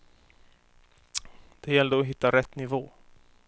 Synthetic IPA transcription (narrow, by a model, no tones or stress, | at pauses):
d̪̥ɛjɛlːd̪əɔɦɪt̪ːaɾɛt̪ːnɪvoː